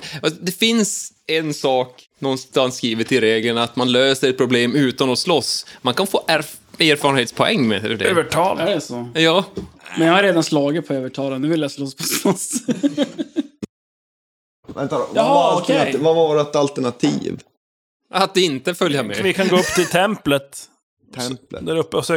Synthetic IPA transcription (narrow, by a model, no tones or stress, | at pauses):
asd̪ɛfɪns | ɛnsɑːk | nɔnst̪ansːkɾiːvəʈʰɪlɾeːɡlənat̪manløːsəɾɛt̪̚pʰɾʊbleːmʉ̟ːt̪anɔslɔsmankanfoːʔæɾ | eːɾfɑɾɳheːt̪spʰɔɛ̰ŋːmɛ̰ɛ̰lːɛɖɛøvəʈʰɑːlɛsojɑːmɛnjɑhaɾeːd̪anslɑːɡɪt̪̚pʰɔøːvəʈʰɑːlanːʉːvɪljaslɔspʰɔslɔs | vɛnt̪adltavavɑːɾat̪alt̪əɳat̪ʰḭːv | at̪̚d̪ɛɪnt̪əfœljamɛɪkʰanɡoːɵpːt̪ʰɪlt̪ʰɛmplət̪ʰ | ɛmlə̰d̪æɾɵpːs